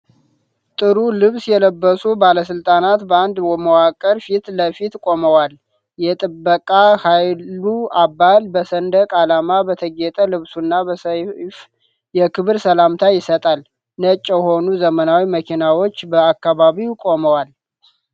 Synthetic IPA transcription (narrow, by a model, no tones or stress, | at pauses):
t̪ʼɨɾulɨβsjɛləbːəsubaləsɨlt̪ʼanat̪bəand̪wɔməwakʼəɾfit̪ləfit̪kʼo̞məwal | jɛt̪ʼɨbːəkʼahajluabːalbəsənd̪əkʼalamabət̪ʰəɡet̪ʼəlɨβsunːabəsf | jɛkʰɨβɨɾsəlamt̪ʰajɪsət̪ʼal | nət͡ʃʼːjɛho̞nuzəmənawiməkʰinawo̞t͡ʃːbəakːaβaβiwkʼo̞məwal